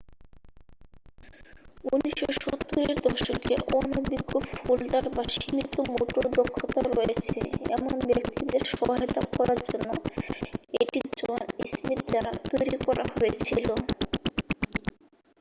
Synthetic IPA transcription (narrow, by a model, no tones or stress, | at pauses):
uniʃoʃot̪ːoɾeɾd̪ɔʃokḛʔɔnobiɡofolɖaɾbaʃimit̪omoʈoɾd̪okʰːot̪aɾoet͡ɕʰḛɛ̰monbekt̪ʰid̪eɾʃɔɦet̪akɔɾaɾd͡ʑonːo | eʈid͡ʑɔnismit̪d̪aɾa̰t̪ojɾikɔɾʔa̰hojet͡ɕʰilo